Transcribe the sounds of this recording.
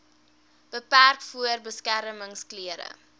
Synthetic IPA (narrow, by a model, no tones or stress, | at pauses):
b̥əpærkfuərbəskæɾəməŋskliəɾə̰